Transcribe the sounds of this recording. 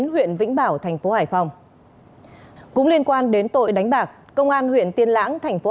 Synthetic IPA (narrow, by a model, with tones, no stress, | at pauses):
nɦwḭ˧˨ənvḭ˧˥ŋ̟ɓaː˧˩wt̪ʰɛ˨˩jŋ̟fo˨˦haː˧˩jfa˧wŋ͡m | kʊ̰˧˥ŋ͡mli˧ənkwaː˧nɗe˨˦nt̪o̰˧˨jɗa˨˦jŋ̟ɓaː˨˩k̚kə˧wŋ͡mʔaː˧nhwḭ˧˨ənt̪i˧ənla̰ː˧˥ŋt̪ʰa˨˩jŋ̟fo˨˦